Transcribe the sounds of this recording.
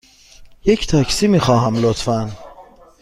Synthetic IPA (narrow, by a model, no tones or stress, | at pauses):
jecʰt̪ʰæcʰsiːmiːxɒːɦæmlot̪ʰfæn